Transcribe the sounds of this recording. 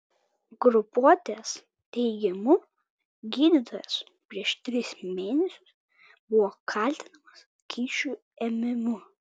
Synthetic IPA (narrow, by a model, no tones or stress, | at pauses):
ɡɾʊpuɔt̪ʲeːs | t̪ʲɛɪɡʲɛmʊ | ɡʲiːd̪ʲit̪oːjɛs | pʲɾʲiɛʃt̪ʲɾʲɪsmʲeːnʲɛsʲʊ̥s | bʊʋɔkʰɐˑlʲt̪ʲɪnɐmɐs | kʲiːʃʲuː | ɛmʲɪmʊ